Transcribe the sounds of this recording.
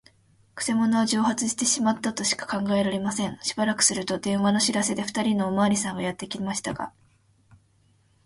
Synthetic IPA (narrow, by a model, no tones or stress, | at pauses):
kɯ̟̥se̞mo̞no̞βad͡ʑo̞ːhat͡sɨɕi̥t̪e̞ɕimat̪ːat̪o̞ɕi̥kḁkãŋɡae̞ɾaɾe̞masẽ̞ɴ̃ɕi̥baɾakɯ̟̥sɨɾɯ̟t̪o̞d̪ẽ̞ɰ̃βano̞ɕiɾase̞d̪e̞ɸɯ̥t̪aɾʲinoːmaːɾʲisãŋ̃ɡajat̪ːe̞kʲimaɕi̥t̪aɡa̰